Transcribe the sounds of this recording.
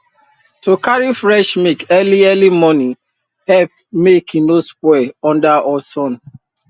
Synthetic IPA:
tukaɾifɹɛʃmikɛliɛlimɔnĩ | hɛp̚ | mekĩnospwɛɔ̃ndaʔɔsɔ̃n

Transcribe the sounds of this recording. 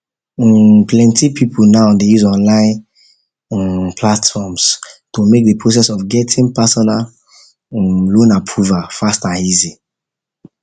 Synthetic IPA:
plɛ̃ntipʰipʰulnaʊdejuzɔ̃nlãɪ̃n | pʰlatfɔmstomek̚depʰɹos̬ɛsɔfɡɛtʰĩŋpasɔnal | lõnapʰɹuvafastãnizi

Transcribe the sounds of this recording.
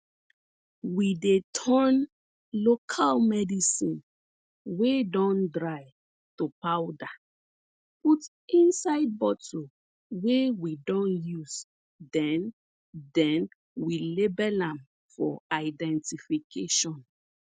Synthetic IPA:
widetʰɔn | lokʰalmɛdisĩn | wedɔ̃ndɹaɪ | tupawda | put | ĩnsaɪd̚bɔto | wewidɔ̃njus | dɛ̃n | dɛ̃n | wilebɛlãm | fɔ̰aɪdɛ̃ntifikʰeʃɔ̃n

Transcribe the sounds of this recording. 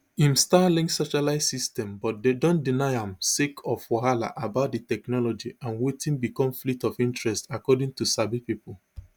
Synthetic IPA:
ĩmstalĩŋsɔʃalaɪsistɛ̃mbɔt̚dedõndinaɪãmsekʰɔfwɔɦala̰ʔabaʊt̚ditɛknɔlɔd͡ʒiãnwetĩnbikɔ̃mflitɔfĩntɹɛstakɔdĩŋtusabipipɔl

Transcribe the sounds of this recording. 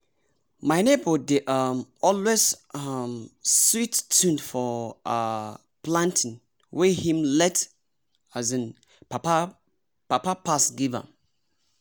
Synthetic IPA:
maɪnebədeʔamɔlwezamswitːʰũndfɔa | plãntʰɪ̃n | wɛhĩmlɛt | azə̃n | papa | papapasɡiva̰

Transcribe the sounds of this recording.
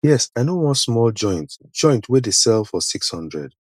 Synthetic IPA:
jɛsaɪnowɔ̃nsmɔlˠd͡ʒɔ̃ɪ̃ntd͡ʒɔ̃ɪ̃ntʰwɪðɨsɛlˠfɔsikshʌ̃ndɹɛ̰d̥

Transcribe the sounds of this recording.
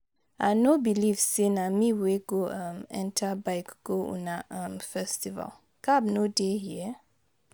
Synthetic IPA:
anobilivsenamĩweɡoʌ̃mɛ̰̃ntʰabaɪkɡ̥oṵnaʔʌ̃mfɛstiva̰l | kʰabnodehiə

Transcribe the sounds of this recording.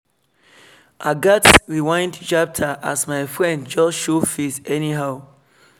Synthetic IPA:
ʔaɡatɹiwãɪ̃ndt͡ʃap̚tʰaʔasmaɪfɹɛ̃ndd͡ʒɔʃufisɛniɦaʊ

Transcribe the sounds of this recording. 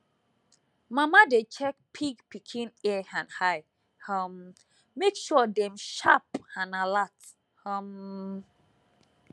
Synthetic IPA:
mamadet͡ʃʰɛk̚pʰiɡpikʰĩnɛãnhaj | hʌmː | ekʃudɛ̃mʃapãnalat | ham

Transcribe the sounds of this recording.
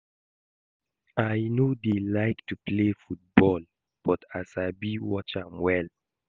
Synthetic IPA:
ajnodelaɪktuplefut̚bɔl | b̥ɔtasaɪbiwɔt͡ʃãmwɛl

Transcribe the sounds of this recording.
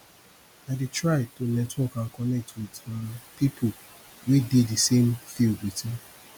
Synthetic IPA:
aditɹaɪtunɛ̃twɔkãkɔnɛk̚tʰwidɔ̃pipʰo | wideisẽmfioɡetʰĩ

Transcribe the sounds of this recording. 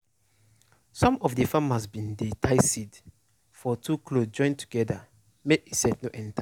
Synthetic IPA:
sɔ̃mɔfdəfamasbĩndetʰaɪsid | fɔtʰukʰlod͡ʒɔ̃ɪ̃ntʰu̥ɡɛda | meʔisɛtnoʔɛ̃nta

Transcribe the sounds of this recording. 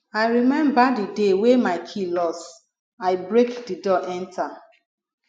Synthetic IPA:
aɪɹimɛ̃mbadidewemaɪkʰilɔs | aɪbɹekdidɔʔɛ̃ntʰa

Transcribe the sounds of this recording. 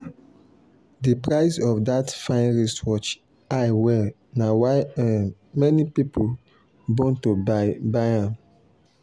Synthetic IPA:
dipɹaɪsɔfdatfãɪ̃nɹiswɔt͡ʃ | aɪwɛ | nawaɪãnmɛnipipol | bõntobaɪbaãn

